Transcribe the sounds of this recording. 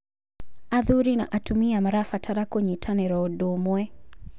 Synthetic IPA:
aðuɾina̰ʔatumiamaɾafatʰaɾakɔɲitʰanɛɾɔɔdɔmwɛ

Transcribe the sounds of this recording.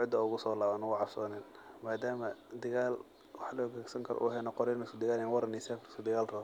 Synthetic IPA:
ɪd̪ɐʊɣʊsɔːlaːβɐnɐwɑʕɑbsɔːnɛnmaːd̪aːmɐd̪ɪɣaːl | wɑħlɔːɡɛːɡsɐŋkʰɐɾʔɔ̰ʔṵɦɛnɐqɔɾɛːnɛskʊd̪ɪɣaːlɛnwɐɾɐnɪsɛfɾɪskʊd̪ɪɣaːlrɔː

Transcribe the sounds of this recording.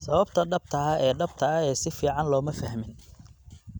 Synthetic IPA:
sɐβɐbt̪ʰɐɖɐb̚t̪ʰɐɐɛːɖɐb̚t̪ʰɐɐɛːsɪfiːʕɑnlɔːmɐfɐhmɪn

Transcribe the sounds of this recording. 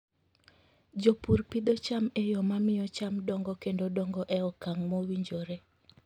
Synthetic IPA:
d͡ʒopuɾpid̪ɔt͡ʃamejɔmamɪjɔt͡ʃamdɔŋɡɔkendodɔŋɡɔʔɛɔkaŋmɔwiɲd͡ʒoɾe

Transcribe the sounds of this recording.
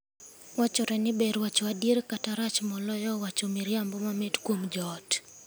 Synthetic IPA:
wat͡ʃɔɾɛnibɛɾwat͡ʃwadiɾkataɾat͡ʃmɔlɔjɔwat͡ʃomiɾiambɔmamitkwomd͡ʒɔt

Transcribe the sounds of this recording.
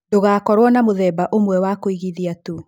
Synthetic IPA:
doɣaːkɔɾwɔnamoðɛbaʔomwɛwakoiɣiðiatu

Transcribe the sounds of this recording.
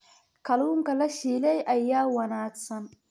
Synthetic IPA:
kɐlʊŋkɐlɐʃiːlɛjʔajːaːwɐnaːksɐn

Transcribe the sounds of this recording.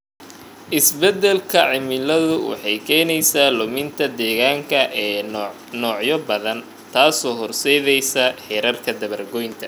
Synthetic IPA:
ʔɪsbɛd̪ɛlkʰɐʕɪmɪlɐðʊwɑ̰ħɑjkʰɛːnɛjsaːlʊmɪnt̪ʰɐd̪ɛːɣaːŋkʰɐʔɛː | nɔːʕjɔbɐðɐn | t̪ʰaːsɔːɦɔrsɛjðɛjsɐħɛɾɐrkʰɐd̪ɐβɐrɡɔjnt̪ʰɐ

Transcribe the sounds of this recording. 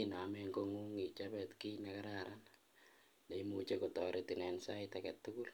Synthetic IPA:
inamɛŋkoŋuŋit͡ʃapɛtkinakaɾaɾan | deimut͡ʃekotɔɾʔetinɛnsaitakɛtːukul

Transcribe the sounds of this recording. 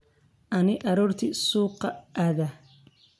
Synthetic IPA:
ʔɐnɪʔɑɾuːrt̪ʰisuːqːɑʔaːðɐ

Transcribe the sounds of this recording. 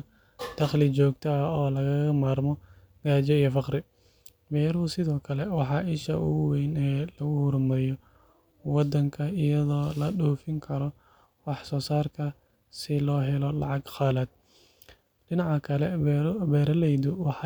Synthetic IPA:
d̪̥ɐχlɪt͡ʃɔːɡt̪ʰɐɔːlɐɣɐɣɐmaːrmɔ | ɡaːt͡ʃɛijɔfɑqɾɪ | bɛːɾhʊsɪðɔːkʰɐlɛwɑħɑːʔɪʃɐ̰ʔʊ̰wɛjnɛːlɐɣʊhʊɾmɐjɔ | wɑd̪ɐŋkʰɐɪjɐðɔːlɐɗuːfɪŋkʰɐɾɔ | wɑħsɔːsaːrkʰɐ | sɪlɔːɦɛlɔlɑ̰ʕɑɡxɑːlɐd̪̚ | ɖɪnɑʕɑkʰɐlɛbɛːɾɐlɛjðʊwɑħɑ

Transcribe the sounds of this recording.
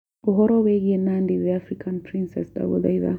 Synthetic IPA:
uɦɔɾɔwɛɡiɛnandiðɛafɾikʰanpʰɾinsɛ̰sda̰bṵda̰iða̰

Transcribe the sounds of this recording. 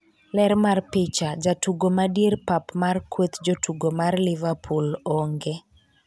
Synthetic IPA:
lɛrmarpɪt͡ʃad͡ʒatuɡomadjerpapmarkwet̪d͡ʒotuɡomarlɪvapʰulɔŋɡe

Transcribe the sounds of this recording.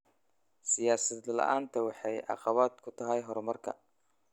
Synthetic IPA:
sɪjaːsɐd̪lɐ̰ʔaːnt̪ʰɐwɑħɑjʔɑ̰qɑβaːd̪kʰʊt̪ʰɐɦɛjɦɔɾmɐrkʰɐ̰

